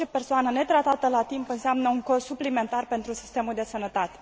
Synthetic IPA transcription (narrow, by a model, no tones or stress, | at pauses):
t͡ʃepe̞rsoanəne̞t̪ɾat̪at̪əlat̪impɨnseamnəuŋko̞ssuplime̞nt̪arpe̞nt̪ɾusi̥st̪e̞muld̪e̞sənət̪at̪e̥